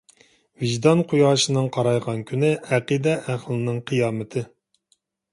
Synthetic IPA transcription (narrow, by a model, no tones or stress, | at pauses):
viʒd̪ɑnqʰujɑːʃɨnɨŋqʰɑɾɑjʁɑnkʲʰynɪæqid̪ɛʔæχlˠɨnɨŋqʰɨjɑːmɨt̪ʰɨ